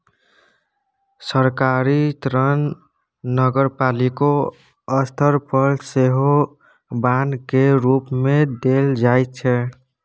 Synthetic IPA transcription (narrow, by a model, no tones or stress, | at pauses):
səɾkaɾit̪ɾənː | əɡəɾpaliko | əst̪ʰəɾpəɾseɦo | bankeɾupmed̪eld͡ʒajt̪̚t͡ʃʰɛ